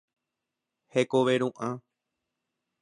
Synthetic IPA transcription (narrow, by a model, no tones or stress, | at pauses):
hekoʋeɾũʔã